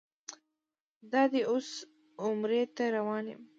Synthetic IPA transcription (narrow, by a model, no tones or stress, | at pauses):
d̪ɑd̪eʔos | ʊmɾet̪aɾawɑnḛm